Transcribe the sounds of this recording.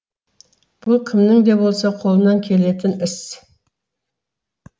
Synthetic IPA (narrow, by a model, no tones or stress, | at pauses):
b̥ʊlˠkʲʰɪmnɪŋd̪ebolˠsɑqʰo̞lˠənɑŋkʲʰe̞le̞t̪ɪnɪs